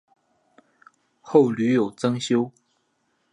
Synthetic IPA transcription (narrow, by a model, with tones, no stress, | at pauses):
xo˥˨˩ʊly˧˥jo˨˩ʊt͡sɤ˥ŋɕjo˥ʊ